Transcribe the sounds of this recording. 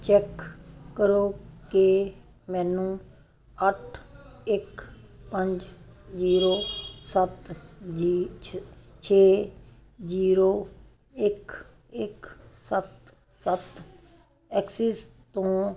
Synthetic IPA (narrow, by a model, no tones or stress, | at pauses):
t͡ʃɛkːəɾoːke | mɛːnũː | əʈʰɪk | pə̃ɲd͡ʒd͡ʒiːɾoːsət̪ː | t͡ʃʰeː | d͡ʒiːɾoː | ɪk | ɪksət̪ | sət̪ | ɛːksist̪õː